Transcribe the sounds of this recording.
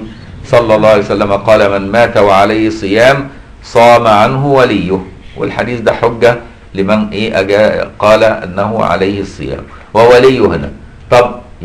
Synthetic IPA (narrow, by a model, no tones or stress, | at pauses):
sˤɑlːɑlˤːɑːhʕajsælːæmæqɑːlæmænmæːt̪æwaʕalajhɪsˤɨjæːm | sˤɑːmaʕanɦʊwælɪjːʊhwɪ̰lħa̰d̪iːθd̪æħoɡːæ | lɪmænʔeːʔæɡæːqɑːlæʔɪ̰nːæhʊʕa̰lajhɪsˤːɨ̰jæ̰ːm | wæwælɪjːʊhɪnæ̰ | t̪ˤɑb